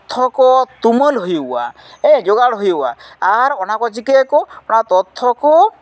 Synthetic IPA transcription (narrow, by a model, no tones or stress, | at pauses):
t̪ʰɔkɔt̪umɔlɦoja̰ | ed͡ʒoɡaɽɦoja̰aɾɔnakɔt͡ʃikekɔɔnat̪ɔt̪ʰːɔkɔ